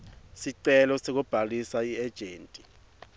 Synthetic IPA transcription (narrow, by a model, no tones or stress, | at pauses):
siǀɛlɔsek̬ub̥ʱalisaiɛd̥ʒ̥ʱeːntʼi